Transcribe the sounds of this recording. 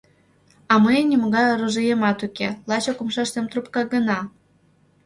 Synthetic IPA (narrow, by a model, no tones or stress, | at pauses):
ɑməjnʲimoɣɑjoɾuʒɨjemɑt̪ukelɑt͡ɕokumʃɑʃt̪emt̪rupkɑɣənɑ